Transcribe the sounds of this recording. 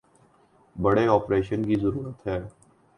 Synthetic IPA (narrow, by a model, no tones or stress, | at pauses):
bəɽeɔːpɾeːʃənkizəɾuːɾət̪ɦɛː